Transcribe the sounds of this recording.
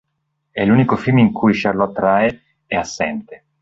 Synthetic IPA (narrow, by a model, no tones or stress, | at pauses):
ɛlunikofilmiŋkujʃarlɔt̪ːɾae | ɛasːɛnt̪e